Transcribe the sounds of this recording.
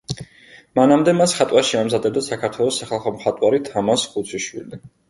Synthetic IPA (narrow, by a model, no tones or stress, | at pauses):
manamd̪ɛmasχat̪ʼwaɾʃiamzad̪ɛbd̪asakʰaɾt̪ʰwɛlˠɔsːaχalˠχɔmχat̪ʼwaɾit̪ʰamasχut̪sʰiʃwḭli